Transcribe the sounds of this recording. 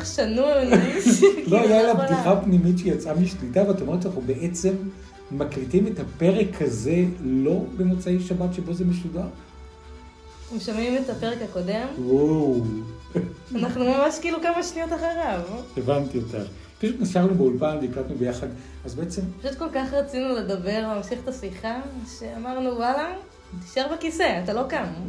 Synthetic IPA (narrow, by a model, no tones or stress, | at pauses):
ʃanun | lo̞ajaladduχapnimitʃejat͡samiʃlitaveat̪omet̪ʃanaχnubeʔe̞t͡se̞mː | akʁitime̞thape̞ʁe̞kʰhaze̞lo̞benot͡saejʃabatʃe̞bo̞zemeʃudaʁ | emʃamimet̪apeʁekhako̞demwaw | anaχnumamaʃkiiːlukamaʃnijotaχaʁavevant̪iota̰ | piʃutniʃaʁnubeulpanveiklat̪nubejaχad̪ | azbeet͡se̞mpaʃut̪̚ko̞lkaχʁat͡sinule̞d̪ɐbe̞ʁleamʃiχetasiχaʃe̞amaʁnuwala | t̪i̥ʃaʁbekise̞atalo̞kam